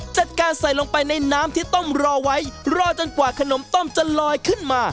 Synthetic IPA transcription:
t͡ɕa˨˩t̪̚kaː˧nsa˨˩jlo˧ŋpa˧jna˧jnaː˦˥mt̪ʰiː˥˩t̪ɔ˥˩mɾɔː˧wa˦˥jɾɔː˧t͡ɕo˧nkwaː˨˩kʰa˧no˩˦mt̪ɔ˥˩mt͡ɕa˨lɔː˧jkʰɯ˥˩nmaː˧

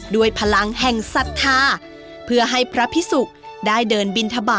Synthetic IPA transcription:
du˥˩əjpʰa˧la˧ŋhɛ˨˩ŋsa˨˩t̪̚k̪ʰaː˧ | pʰɯ˥˩ɐɦa˥˩jpʰɾa˦˥pʰi˦˥su˨˩k̚ | daː˥˩jdɤː˧nbi˧nt̪ʰa˧baː˨˩

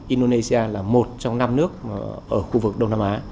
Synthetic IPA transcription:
ʔi˧nɗo˧ne˧si˧aː˧laː˨˩mo˨˩t̚t͡ɕɔ˧ŋ͡mna˧mnɨ˦˥ək̚ʔəː˧˩xu˧vɨ˨˩k̚ɗə˧wŋ͡mnaː˧mʔaː˨˦

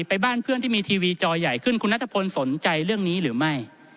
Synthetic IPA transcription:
pa˧jbaː˥˩npʰɯ˥ənt̪iː˥˩miː˧t̪ʰiː˧wiː˧t͡ɕɔː˧ja˨˩jkʰɯ˥˩nkʰu˧nːa˦˥t̪ʰːa˧pʰo˧nso˩˦nt͡ɕa˧jɾɯ˥˩əŋniː˦˥ɾɯː˩˦ma˥˩j

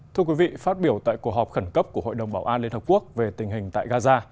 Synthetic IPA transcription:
t̪ʰɨ˧əkwi˨˦vḭ˧˨faː˦˥t̚ɓi˧˩əwt̪a̰ː˧˨jku˨˩ək̚ɦɔ˨˩p̚xə˧˩nkə˦˥p̚ku˧˩əɦo̰˧˨jɗə˨˩wŋ͡mɓaː˧˩wʔaː˧nli˧ənhə˨˩p̚ku˦˥ək̚ve˨˩t̪ï˨˩ŋ̟ɦï˨˩ŋ̟t̪a̰ː˧˨jɣaː˧zaː˧

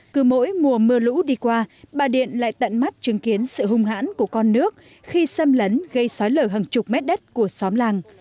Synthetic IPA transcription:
kɨ˨˩mo̰˧˥jmu˨˩əmɨ˧əlṵ˧˥ɗi˧kwaː˧ɓaː˨˩ɗḭ˧˨ənla̰ː˧˨jt̪ə̰˧˨nma˦˥t̚t͡ɕɨ˨˦ŋki˨˦ənsɨ̰˧˨ɦʊ˧ŋ͡mɦa̰ː˧˥nku˧˩əkɔ˧nːɨ˦˥ək̚ | xi˧sə˧mlə˨˦nɣə˧jsɔ˨˦jləː˧˩ɦə˨˩ŋt͡ɕʊ˨˩k͡p̚mɛ˦˥t̚ɗə˦˥t̚ku˧˩əsɔ˨˦mlaː˧˩ŋ

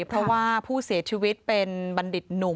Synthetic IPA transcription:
pʰɾɔ˦˥waː˥˩pʰuː˥˩si˨˩˦t͡ɕʰi˧wi˦˥t̪̚pe˧nba˧ndi˨˩t̪̚nu˨˩˦

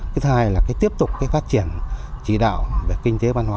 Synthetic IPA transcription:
k̪ʰhaː˧jlaː˨˩kaː˨˦jt̪i˦˥əp̚t̪ʊ˨˩k͡p̚kaː˨˦jfaː˦˥t̚t͡ɕi˧˩ənt͡ɕḭ˧˩ɗa̰ː˧˨wve˨˩kï˧ŋ̟t̪e˨˦vaː˧nhwaː˨˦

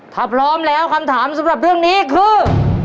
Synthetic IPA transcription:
t̪ʰaː˧˩pʰɾɔː˦˥mlɛː˦˥wkʰa˧mt̪ʰaː˩˦msa˨˦mɾa˨˩p̚ɾɯ˥˩əŋniː˦˥kʰɯː˧˩

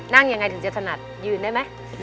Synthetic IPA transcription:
na˧˥˩ŋja˧ŋa˧jt̪ʰŋt͡ɕi˧˦˩t̪ʰa˧na˨˩t̪̚jɯː˧˩ndaː˥˩jma˨˦˥j

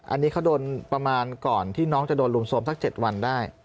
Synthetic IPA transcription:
ʔa̰˧nːiː˦˥kʰa˦˥wdoː˧npɾa˧maː˧nkɔː˨˩nt̪ʰiː˥˩nɔː˦˥ŋt͡ɕa˨˩doː˧nlu˧mso˦˥msa˦˥k̚t͡ɕe˨˩t̪̚wa˧ndaː˥˩j

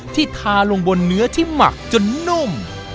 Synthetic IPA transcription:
t̪ʰiː˥˩t̪ʰaː˧lo˧ŋbo˧nːɯ˦˥ɐt̪ʰiː˥˩ma̰˨˩k̚t͡ɕo˧nːu˥˩m

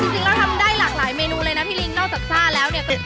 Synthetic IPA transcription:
i˧ŋsi˧ŋlʰɛː˨˦˥wt̪ʰa˧mdaː˥˩jlaː˨˩k̚laː˩˦jmeː˧nuː˧lɤː˧jna˧˦˥p̪ʰiː˥˩li˦˥ŋnɔː˥˩sa˨˩p̚sʰaː˥˩lɛː˦˥wni˥˩ɐkɔ˥˩

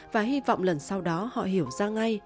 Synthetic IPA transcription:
vaː˨˩hi˧vɔ̰˧˨wŋ͡mlə˨˩nsa˧wɗɔ˨˦hɔ̰˧˨ɦi˧˩əwzaː˧ŋa˧j

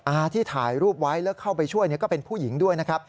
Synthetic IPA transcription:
ʔaː˧t̪ʰiː˥˩t̪ʰaː˨˩jɾuː˥˩p̚wa˦˥jlɛː˦˥wkʰa˥˩wpa˧jt͡ɕʰu˥˩əjni˥˩ɐkɔː˥˩pe˧npʰuː˥˩ji˩˦ŋdu˥˩əjna˦˥kʰɾa˦˥p̚

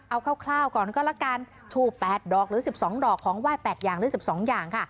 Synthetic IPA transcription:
ʔa˧wkʰaː˥˩wkʰlaː˥˩wkɔː˨˩nkɔː˥˩la˦˧˥kaː˧n | t͡ɕʰuː˧˩pːɛː˨˩t̪̚dɔː˨˩k̚ɾɯː˨˩˦si˨˩p̚sɔː˩˦ŋdɔː˨˩kʰːɔː˩˦ŋwaː˥˩jpɛː˨˩t̪̚jaː˨˩ŋɾɯː˨˦si˨˩p̚sɔː˩˦ŋjaː˨˩ŋkʰa˥˩

